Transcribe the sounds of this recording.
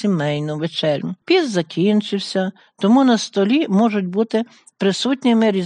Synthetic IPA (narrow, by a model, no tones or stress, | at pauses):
imɛjnʊʋet͡ʃɛlʲnʊpʲizzɐkʲint͡ʃɪwsʲɐ | t̪ɔmunɐst̪ɔlʲimɔʒʊt̚ʲbut̪ɪ | pɾɪsut̪ʲnʲɪmɪɾʲi